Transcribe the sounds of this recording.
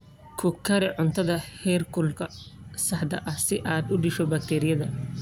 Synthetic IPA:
kʰʊkʰɐɾɪʕʊnt̪ʰɐðɐhɛːrkʰʊlkʰɐsɐħd̪ɐ̰ʔɐhsɪʔaːd̪ʊɖɪʃɔbɐk̚t̪ʰɛːɾɪjɐðɐ

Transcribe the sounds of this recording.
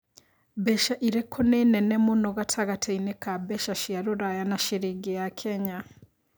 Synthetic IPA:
bɛʃaʔiɾɛkʰonenɛnɛmonɔɣatʰaɣatʰeinekabɛʃaʃiaɾoɾajanaʃeɾiɡejakʰɛɲa

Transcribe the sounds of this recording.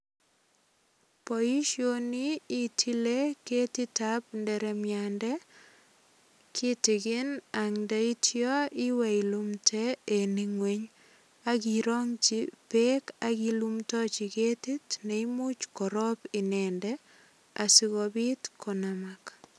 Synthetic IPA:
pɔiʃjoniːtʰileketitapndɛɾɛmjandɛ | kʰitɪkɪnaŋdaitʰjɔiwɛilumtʰɛːniŋweɲ | akiɾɔŋt͡ʃipekakilumtɔt͡ʃiketitneimut͡ʃkɔɾɔpɪnɛndɛ | a̰siɣɔbitkʰɔnamak

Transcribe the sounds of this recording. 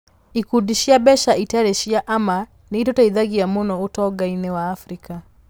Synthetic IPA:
ikudiʃiaɓɛʃaʔitaɾɛʃiaʔama | niitɔtaiðaɡijamunɔɣutɔɡainɛwaːfɾika

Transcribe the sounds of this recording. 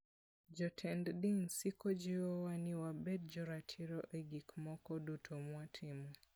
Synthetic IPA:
d͡ʒɔtʰɛnddiŋsikɔd͡ʒiɔwaniwabɛt̚d͡ʒɔɾatʰiɾɔʔeɡikmɔkɔdutʰɔmwatʰimu

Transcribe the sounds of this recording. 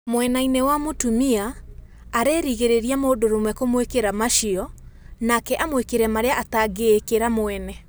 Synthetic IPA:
mowɛnainewamotumiaː | ɾeɾiɣeɾeɾiamoːdoɾomwɛkomwekeɾamaʃiɔnakɛʔamwekeɾɛmaɾeaʔataɡeːkeɾamoɛnɛ

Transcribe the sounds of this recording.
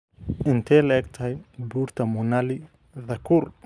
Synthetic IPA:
ʔɪnt̪ʰɛːlɐʔɛːɡ̚t̪ʰɐɦɛjbuːɾt̪ʰɐmʊnali | ðɐkʰuːr

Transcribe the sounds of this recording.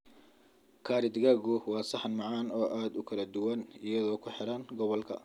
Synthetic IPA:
kʰaːɾɪd̪ɡaːɣʊwɑːsɐħnmɑʕɑːnɔːʔaːd̪ʊkʰɐlɐd̪ʊwɐnɪjɐðɔːkʰʊħɛɾɐnɡɔβɔlkʰɐ̰

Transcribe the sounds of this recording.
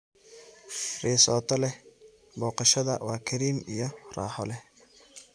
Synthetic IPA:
rɛːsɔːt̪ʰɔlɛ | bɔːqɑʃɐðɐ̰waːkʰɐɾiːmijɔrɑ̰ːħɔlɛ

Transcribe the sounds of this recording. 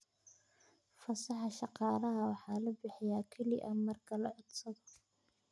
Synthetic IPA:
fɐsɑħɑʃɑqɑːlɐɦɐwɑħɑːlɐbɪħɪjaːkʰɛlɪ̰ʔɐmɐrkʰɐlɐʕɔd̪sɐðɔ

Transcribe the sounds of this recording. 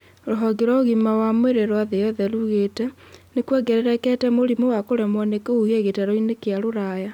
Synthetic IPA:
oɾoɦɔɡeɾɔɣimawamweɾeɾwaðejɔðɛɾuɣetɛ | nekwɛɡɛɾeɾɛkɛtɛmoɾimowakoɾɛmwɔnekouɣeɣetaɾoinekeaɾoɾaːja

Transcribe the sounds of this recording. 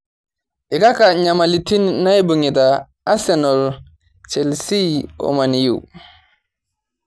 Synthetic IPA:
ʔɛkakaɲamalitinːajbuŋitaː | sɛnɔl | t͡ʃɛlsiɔ̰manijṵw

